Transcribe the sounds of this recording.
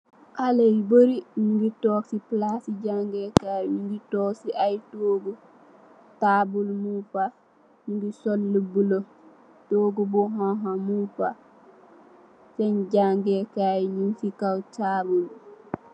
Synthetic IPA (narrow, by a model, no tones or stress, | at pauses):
ʔalejboɾiɲuŋɡitoːksiplasiɟaŋɡekaːjɲiŋɡitɔːksiʔajtoːɡu | taːbulmupa | ɲuŋɡisolːubulo | toːɡubuɦãɦamupa | sɛnɟaŋɡekaːjɲunsikawtaːbul